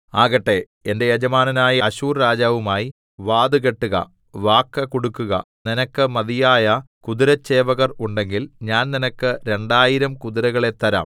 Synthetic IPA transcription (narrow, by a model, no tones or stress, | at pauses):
aːɣɐʈːe̞ | ende̞jɐd͡ʑɐmaːnɐnaːjɐɐɕuːrɾaːd͡ʑaːʋumaːji | ʋaːd̪uɣeʈːuɣɐ̰ | ʋaːkːɐkoɽukːuɣɐ̰ | ninɐkːɨmɐðijaːjɐ | kud̪iɾɐt͡ɕːe̞ːʋɐɣɐruɳɖe̞ŋɡilɲaːnninɐkːɨɾe̞ɳɖaːjiɾɐmkuðiɾɐɣɐɭe̞t̪ːɐɾa̰ːm